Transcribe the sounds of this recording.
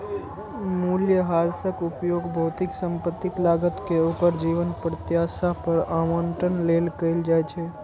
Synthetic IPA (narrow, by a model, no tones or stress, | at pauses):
muljəɦaɾsəkupjoɡbʱəʊt̪iksə̃mpət̪ːiklaɡət̪keokəɾd͡ʒiʋənpɾət̪jasapəɾaməɳʈənlelkəɪld͡ʒajt͡ʃʰɛ